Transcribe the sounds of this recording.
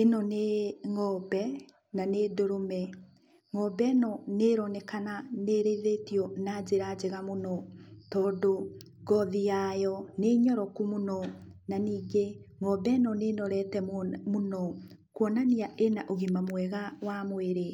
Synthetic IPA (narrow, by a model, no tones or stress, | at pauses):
enɔneŋɔbɛ | nanedoɾomɛ | ŋɔbɛnɔneɾɔnɛkananeɾeðetiɔnad͡ʑeɾad͡ʑeɣamonɔtɔːdo | ɡɔðijajɔneɲɔɾɔkumonɔnaniːɡeŋɔbɛnɔnenɔɾɛtɛmonɔ | kwɔnaniaʔenaʔoɣimamwɛɣawamoeɾe